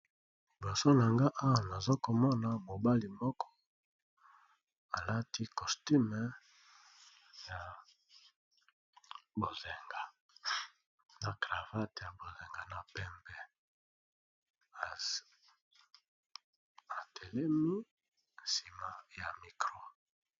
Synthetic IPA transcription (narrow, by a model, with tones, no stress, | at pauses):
li˨bɔ˨so˦na˨ŋɡa˦ʔa˦wa˨na˨zo˦ko˨mɔ˦na˨mo˨ba˦li˨mɔ˦kʰɔ̥˦ | a˨la˦tʰi˦kɔ˨sti˦m˨ | ja˨ | bo˨ze˨ŋɡa˨ | na˨kʁa˨va˦tja˨bo˨ze˨ŋɡa˨na˨pɛ˦mbɛ˨ | a˨tʰe˨lɛ˦mi˦ | n˨si˨ma˨ja˨mi˨kʁo˦